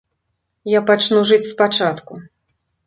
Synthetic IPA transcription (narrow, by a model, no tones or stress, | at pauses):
japat͡ʂnuʐɨt͡sʲspat͡ʂat̪ku